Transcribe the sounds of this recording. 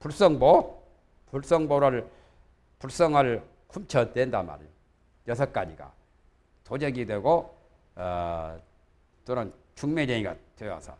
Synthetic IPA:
puɭs͈ʌŋbo | puɭs͈ʌŋboɾɯɭ | puɭs͈ʌŋaɭ | kʰumt͡ɕʰʌdwendama̰ɾ | jʌsʰʌk͈ad͡ʑiɡa̰ | tod͡ʑeɡidwe̞ɡo | tonɯnt͡ɕuŋmedeŋiɡa̰twea̰sʰʌ̰

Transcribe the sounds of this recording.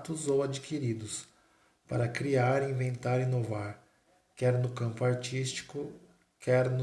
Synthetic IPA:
t̪ʊzowad͡ʒikiɾid̪ʊs | pa̰ɾɐkɾiaɾĩvẽnt̪aɾĩnovaɾ | kɛɾnʊkɐ̃mpʊaɾt͡ʃist͡ʃi̥kʊ | kʰɛɾnʊ

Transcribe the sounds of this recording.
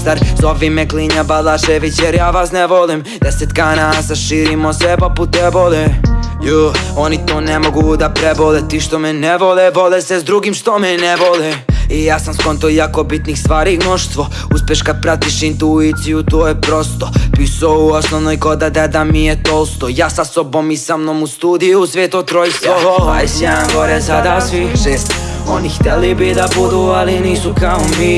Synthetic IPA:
st̪aɾzobʋimɛkliɲabalaʃeʋit͡ɕjɛɾjaːʋasnɛʋolim | d̪̥ɛset̪ɡaːnasaʃiːɾimosʋɛpoput̪ɛbolɛjoonit̪oːnemo̞ɡud̪apɾebolet̪iʃt̪omɛnɛʋolɛʋolɛsɛzd̪ɾuɡimʃt̪omɛnɛʋolɛijaːsamskont̪ojaːkobit̪nixst̪ʋaːɾinoʃst̪ʋo | uspjeʃkad̪̚pɾat̪iʃint̪uit̪sijut̪oːjepɾost̪opiːsouosnoʋnojɡod̪ad̪ad̪amijet̪olˠst̪ojaːsasobo̞mːisamnomust̪uːd̪ijusʋeːt̪ot̪ɾojst̪ʋoasaɡoɾezad̪asiʃeːst̪onixt̪ɛlibid̪abud̪ualiniːsukaomi

